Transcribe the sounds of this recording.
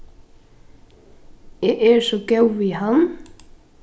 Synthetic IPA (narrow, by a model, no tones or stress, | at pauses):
eːæːsoːɡɑʉʋiːhɑn